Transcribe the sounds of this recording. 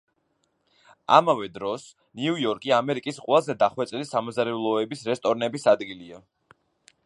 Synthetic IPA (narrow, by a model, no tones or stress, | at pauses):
a̰mavɛd̪ɾɔs | niujɔɾkʼiamɛɾikʼisqʼwɛlˠazɛd̪aχwɛt̪sʼɛlisamɔzaɾɛlˠɔɛbisɾɛst̪ʼɔɾnɛbisad̪ɡilia